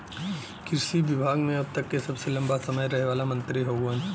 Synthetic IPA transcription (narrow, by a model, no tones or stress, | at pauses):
kɪɾsiʋɪbʱaːɡmẽɐb̚t̪ɐkːesɐbselɐ̃mbasɐməjɾɐɦeʋaːlamɐ̃nt̪ɾiɦoːɡan